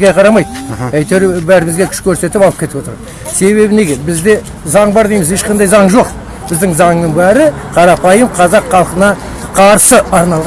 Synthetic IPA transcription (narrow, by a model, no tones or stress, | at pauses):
ɡʲejqʰɑɾɑmɑjd̪̚æjt̪eɾbæɾɪmɪzɡʲe̞kʲʰʏ̥ʃkʲʰɵɾse̞t̪ɪpɑlˠəpkʲʰe̞t̪ɪwo̞t̪əɾ | se̞βe̞bɪne̞ɡʲe̞bɪzd̪e̞ | zɑɴbɑɾd̪ejmɪze̞ʃqɑnd̪ɑjzɑɴʒo̞q | bɪzd̪ɪŋzɑŋnəŋbæɾɪ | qʰɑɾɑpɑjəmqʰɑzɑqʰːɑlˠqənɑ | qʰɑɾsəɑɾnɑlˠʁɑ